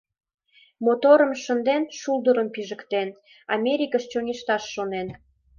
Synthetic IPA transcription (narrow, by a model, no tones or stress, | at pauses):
mot̪oɾəmʃə̆nd̪enʃuld̪əɾəmpiʒə̆kt̪en | ɑmʲeɾʲikəʃt͡ɕoŋʲeʃt̪ɑʃːonen